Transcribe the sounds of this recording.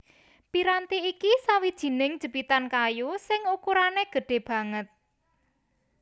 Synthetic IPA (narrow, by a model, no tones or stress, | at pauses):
piɾant̪iikisawid̥ʒ̥i̤nɪŋd̥ʒ̥ə̤b̥it̪ankajusɪŋukuɾaneɡ̥ə̤ɖ̥e̤b̥ä̤ŋət̪̚